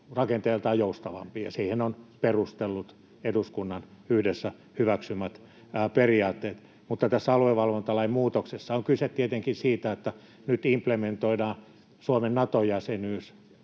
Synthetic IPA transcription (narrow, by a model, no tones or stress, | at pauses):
rɑkent̪elt̪ɑːjjoust̪ɑʋɑ̰mpiːjɑ̰siːhenonperust̪elːut̪ | eduskunːɑnyhdesːæ | hyʋæksymːæt̪ː | periɑːt̪ːeːt̪ | mut̪ːɑt̪æsːæɑlueʋɑlʋont̪ɑlɑimmuːt̪oksesːɑoŋkyset̪t̪iet̪eŋkinsiːt̪æet̪ːæ | nyt̪implement̪oidɑː | suomennɑt̪ojæsenyːs